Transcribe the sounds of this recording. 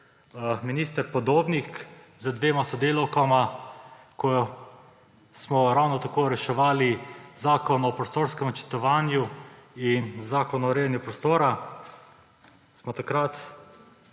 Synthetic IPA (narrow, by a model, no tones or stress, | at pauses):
miniːst̪əɾpɔd̪oːbnik | zəd̪ʋeːmasɔd̪eːlawkama | kɔ | smɔɾawnɔt̪akoɾɛʃɛʋaːlizaːkɔnɔpɾɔst̪oːɾskɛmɔt͡ʃɛ̥t̪ɔʋaːnjuinzaːkɔnɔɾeːanjupɾɔst̪oːɾa | smɔt̪akɾat̪